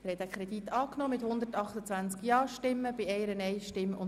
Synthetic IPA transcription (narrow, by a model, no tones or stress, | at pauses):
ɛɾhɛt̪ækʰɾɛd̥it̪ʰɑːknɔːmɪt̪hʊnd̪əɾtɑχt̪ət͡sʋænt͡skjɑːʃtɪmːəb̥ɪɛɪɾənɛɪʃtɪmːʊn